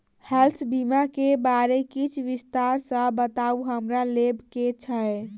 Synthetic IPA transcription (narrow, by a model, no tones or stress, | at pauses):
hɛlsbimakebaɾekit͡ʃʰʋist̪aɾsə̃bət̪auɦəmɾalebʱket͡ʃʰəj